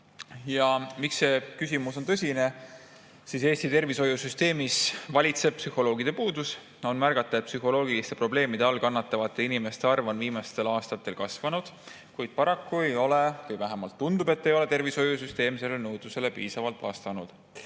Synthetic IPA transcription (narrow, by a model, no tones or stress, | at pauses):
jɑmiksekysʲimuso̞nt̪ɤ̞sʲine̞ | sise̞ːst̪it̪e̞rviso̞jusyst̪e̞ːmisvɑlʲit̪se̞b̥̚psyho̞lo̞ːɡ̥id̪̥e̞puːd̪us | o̞nmæɾɡ̥ɑt̪ːˑɑet̪̚psyho̞lo̞ːɡ̥ilist̪e̞pro̞ble̞ːmid̪e̞ɑlkɑnːɑt̪ːˑɑvɑt̪ˑːe̞inime̞st̪e̞ɑrvonviːmɑst̪e̞lɑːst̪ɑt̪ːˑe̞lkɑsvɑnud̪̥ | kujd̪̥̚pɑɾɑkːue̞jo̞lekujvæɦemɑlt̪ːund̪ube̞t̪ːe̞jo̞le̞t̪e̞rviso̞jus̬yst̪e̞ːmse̞lːenɤwd̪use̞le̞piːsɑvɑlt̪ˑvɑ̰st̪ɑnud̪̥